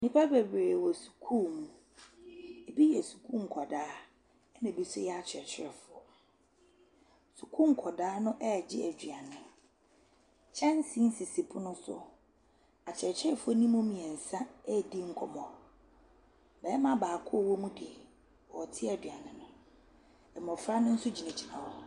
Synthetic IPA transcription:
nĩ˦pʰa˦bɛ˨bɾe˨wɔ˨su̥˨kʰuː˦˨mũ˨ | e˨bi˦jɛ˨su̥˨kʰũ˦ŋ̩˨kʰɔ˨daː˨˦ | nã˨bi˦sʊ˦jɛ˦a˨t͡ɕʰɛ˨t͡ɕʰɪ˦ɾɛ˨fʊ˦ɔ˨ | su˨kʰũ˦ŋ̩˨kʰɔ˨daː˨˦nʊ̃˦ʔɛ˦˨d͡ʑɪ˦æ˨dɥa˨nɪ̃˨ | t͡ɕʰɛ̃˦n˦sĩ˦n̩˦sɪ˨si˨pʰʊ˦nʊ̃˦sʊ̰˦ | a˨t͡ɕʰɪ˨ɛ˨t͡ɕʰɪ˦ɾɛ˨fʊ˦ɔ˦nĩ˦mʊ̃˦mĩ˨ɛ˨n̩˨sã˦ɛ˦˨di˦ŋ̩˦kʷʰɔ˨mɔ̃˨ | bɛː˨˦mã˦baː˨kʰʊ˦ɔ˦˨wɔ˦mũ˦dɪ˨ | wɔ˨tʰɪ˦ɛ˨dɥa˨nɪ̃˨nʊ̃˨ | ɛ˨mɔ̃˨fɾa˦nʊ̃˦n̩˦sʊ˦d͡ʑi˨nɛ̃˨d͡ʑʰi˨nã˨wɔ˦

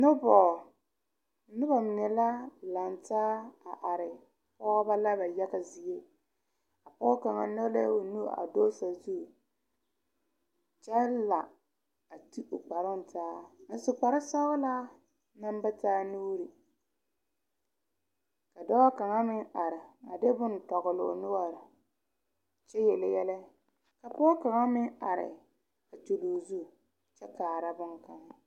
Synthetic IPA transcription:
nʊ˦bɔː˨ | nʊ˦ba˨mɪ˨nɛ˨la˦la˨ntaː˦a˨ʔa˨ɾɪ˨ | pɔː˦ba˦la˦ba˨ja˦ɣa˨zi˨e˦ | a˨pɔː˦ka˨ŋa̰˨nɔ˦lɛ˦o˨nu˦˨a̰˨do˦sa˨zu˦˨ | t͡ʃa˦la˨ | a˨tu˦ʊ˨k͡pa˨ɾʊ˦n˨tʰaː˦a˨sʊ˨k͡pa˨ɾɪ˦sɔ˦ɣʊ˦laː˦ | na˦m˦ba˦taː˦nu˦ɾi˨ | ka˨dɔ˦wa˦ka˨ŋa˦mɪ˦ŋa˨ɾɪ˨a˨de˦bʊ˦n˨tɔ˨ɣʊ˨lʊ̰˨nʊ˦wa˨ɾɪ˨ | t͡ʃɛ˦jɛ˨lɪ˨jɛ˦lɛ˦ | ka˨pʊ˦ɔ˦ka˨ŋa˦mɪ˦ŋa˨ɾɪ̰˨ | a˨tu˨luː˨zu˦˨ | t͡ʃɛ˦kaː˨ɾa˦bʊ˦ŋka˨ŋa˦

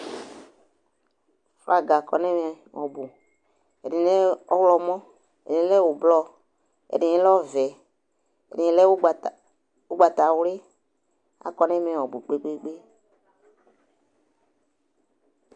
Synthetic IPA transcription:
fa˨ɡa˨kɔ̰˨nɛ˦mɛ˨ | wɔ˨bu˨ | ɛ˨di˨˦ɛ˦ɔ˦wlɔ˧mɔ̃˦ | ɛ˨i˨n˦lɛ˦wo˨blɔ˦ | ɛ̰˨di˨nɛ˦lɔ˦vɛ˨ | ɛ̰˨di˨ɛ˦lɛ˦w | wu˦ɡ͡ba˨ta˨wle˦ | a̰˨kɔ˨˦nɛ˦mɛ˨wɔ˨bu˨k͡pe˦k͡pe˦ɡ͡be˦

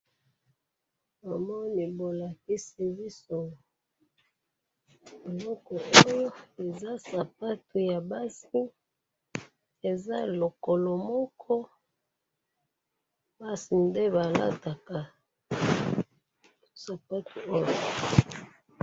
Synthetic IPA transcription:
ba˨mɔ˦ni˨bo˨la˨ki˦si˨vi˦so˨ | e˨lɔ˦kɔ˨ʔo˦jo˦e˨za˦sa˨p̚a˦tu˨ja˨ba˦si˦ | e˨za̰˦lo˨ko˨lɔ˨mɔ˦kʰɔ˦ | ba˦si˨nde˦ba˨la̰˦ta˨ka˨ | sa˨pa˦tu˨o˦jo˨

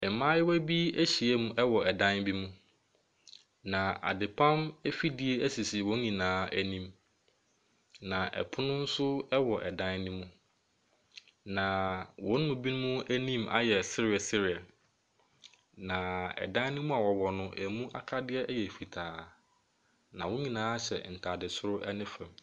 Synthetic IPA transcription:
ɛ˨mãː˦jɪ˦wæ˦bi˦æ˦ɕi˨e˦mũ˨ʔɛ˦wɔ˨ɛ˨dã˦nbi˦mũ˦ | nã˨a̰˨dɪ˨pʰã˦mɛ˦fi˦dɪ˦e˦æ˦si˨si˨wɔ̃˨˦n˦ɲĩ˨nãː˦æ˦nĩ˦m | nã˨ʔɛ̰˨pʰʊ˦nʊ̃˦n̩˦sʊ˦ɛ˦wɔ˨ʔɛ˨dã˦nnĩ˦mũ˦ | nã˨wɔ̃˦n˦mʊ̃˨bi˦nʊ̃˦mũ˦æ˦nĩ˦mʔa̰˨jɛ˨sɪ˦ɾɪ˨ɛ˨sɪ˦ɾɪ˨ɛ˨ | nã˨ɛ̰˨dã˦nĩ˦mũ˦a˨wɔ˨wɔ˨nʊ̃˦ʔæ˨mũ˦ʔa̰˦kʰa˦dɪ˦ɛ˦jɛ˨fi˨tʰaː˨ | nã˨wʊ̃˦ɲĩ˨nãː˨˦ɕɛ̰˨n̩˨tʰa˨dɪ˨sʊ˦ɾʊ˦ʔɛ˦nɪ̃˦fɛ̃˨m

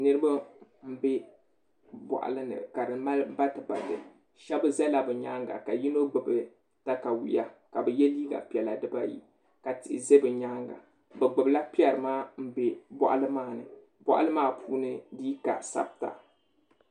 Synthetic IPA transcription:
nɨ˦ɾɨ˦ba˦m̩˦bɛ˦ | bɔ̰˨ʔa̰˨lɨ˦nɨ̰˨ka˨ɾɨ˨ma˦lba˦tɨ˨ba̰˨dɨ̰˨ | ʃɛ˦bɨ˦zɛ˦la˨bɨ˨ɲa˦ŋɡa̰˨ka˨ji˦no˦ɡ͡bɨ˨bɨ˨ | ta˦ka˨wḭ˨ja˦ka˨bɛ˨jɛ˦liː˦ɡa̰˨pi˨ɛ˨la˨dɨ˦ba˦jḭ˦ | ka˨tɪ˨ʔɪ˨ze˦bɨ˨ɲa˦ŋɡa̰˨ | bɛ˨ɡ͡bɨ˨bla˦pi˦ɛ˨ɾɨ˨maː˦m̩˦be˦bɔ̰˦ʔa̰˦lɨ˦maː˦˨nɨ˨ | bɔ̰˦ʔa̰˦lɨ˦maː˦pʰuː˦nɨ˦diː˦ka̰˨sa̰˦b̚ta̰˨

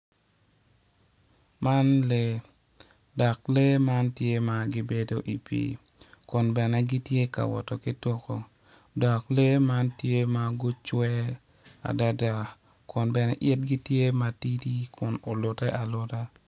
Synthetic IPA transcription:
ma˦nle˦ | dɔ˨kle˦ma˦ntje˦ma˨ɡɪ˦be˦do˦ʔi˨pḭ˨ | kʊ˨nbɛ˨nɛ˦ɡi˦tje˦ka̰˨wɔ̰˨to˨kɪ˦twɔ˦ko˨ | dɔ˨kle˦ma˦ntje˦ma˦ɡʊ˦t͡ʃwɛ˦ | a̰˨da˦da˦˨ | kʰʊ˨nbɛ˨nɛ˦ʔɪ˦tɡi˦tje˦ma˨ti˦di˦kʰʊ˨no˨lʊ˨tɛ˦ʔa˨lʊ˦ta˦

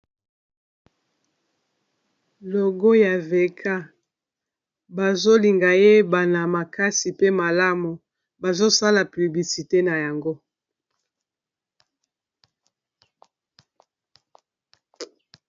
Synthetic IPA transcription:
lo˨ɡo˦ja˨ve˨kʰa˦ | ba˨zo˦li˨ŋɡa˨je˦ba˨na˨ma˨ka˦si˨pe˦ma˨la˦mu˨ | ba˨zo˦sa˦la˨py˨bli˨si˨te˦na˨ja˨ŋɡo˦

